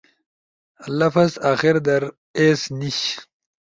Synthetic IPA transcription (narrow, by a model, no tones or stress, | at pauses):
lɐfɐzaːxiɾd̪ɐɾ | esniɕ